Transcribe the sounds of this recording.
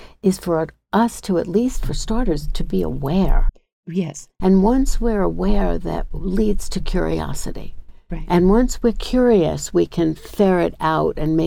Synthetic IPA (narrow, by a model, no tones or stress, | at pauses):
ɨz̥fə˞ | ʔʌstʰəɨtˡlistfə˞stɑɹɾə˞z̥tʰɨbiə̰wɛɹ | ɛsɨ̃nwʌ̃nswɪɹəwɛɹðɨ̰t̚lidz̥tʰɨkʰj̥ʊ̰ɹḭɑ̰sɨ̰ɾḭʔɨ̃nwʌ̃nswɪɹkʰj̥ʊɹiɨ̰swikʰɨ̃nfɛɹɪɾaʊɾɨ̃nmeɪ